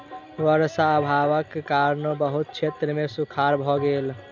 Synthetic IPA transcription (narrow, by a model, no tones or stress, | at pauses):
ʋəɾsaːbʱaʋəkːaɾnobəɦut̪̚t͡ʃʰet̪ɾəmesukʰaɾbʱɔɡel